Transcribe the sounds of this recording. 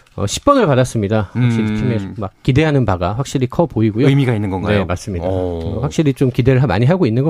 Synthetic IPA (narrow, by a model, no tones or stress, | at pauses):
ʌ̰ɕʰi̥p̚p͈ʌnɯɭpadas͈ɯmɲidaɸak̚ɕ͈iɾikʰimemak̚k͈ide̞ɦanɯnpaɡaɸwak̚ɕ͈iɾikʰʌpoiɡujoɯmiɡainːɯnɡʌnɡane̞mas͈ɯmɲidaɸwak̚ɕ͈iɾit͡ɕomkide̞ɾɯɭɦama̰ɲiɦaɡoinːɯnɡʌ